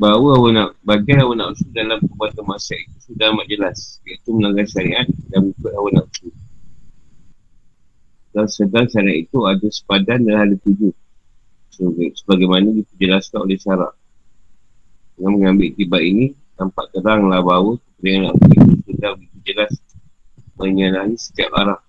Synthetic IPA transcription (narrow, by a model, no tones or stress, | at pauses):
bawəawənaʔbaɡianawənaʔusuldalamkəbat̪amasait̪usudamaʔd͡ʒəlasait̪uməlaŋɡajʃaɾiʔat̪̚daŋikʊt̪awanaʔusu | daŋsədaŋʃaɾia̰t̪it̪uadasə̥padandalahalit̪ud͡ʒu | ssəbaɡajmanaɡit̪əd͡ʒəlaskanolɛhsaɾa̰ʔ | dəŋanməŋambɪʔt̪ibaʔini | nampa̰ʔk̪əɾaŋlahbawəkəpəɾianlakisudaɡit̪ud͡ʒəlas | məɲəlaɦisə̥t̪ia̰pa̰ɾah